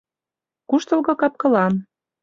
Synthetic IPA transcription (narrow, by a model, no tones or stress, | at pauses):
kuʃt̪ɤ̆lɣɤ̆kɑp̚kɤ̆lɑn